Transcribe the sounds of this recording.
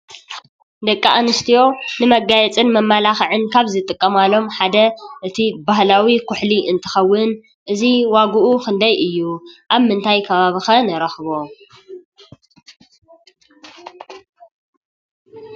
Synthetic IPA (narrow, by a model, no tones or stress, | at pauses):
d̪ɐkʼːaʔanɨst̪ʰijo̞nɨmɐɡːajɛt͡sʼɨnmɐmːalaxʕɨnkʰaβzɨt̪ʼɨkʼːɐmalo̞mħad̪ɐʔɨt̪ʰibahlawikʰʊħliʔɨnt̪ʰɨ̥xɐwːɨn | ʔɨziwaɡuʔukɨnd̪ajʔɨjːuʔaβmɨnt̪ʰajkʰɐβaβixɐnɐɾɐxβo̞